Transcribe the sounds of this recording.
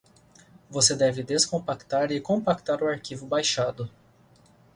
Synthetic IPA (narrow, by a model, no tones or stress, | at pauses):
vosed̪ɛvɪd̪eskõpakt̪aɾɪkõpakt̪aɾʊaɾkivʊbajʃad̪ʊ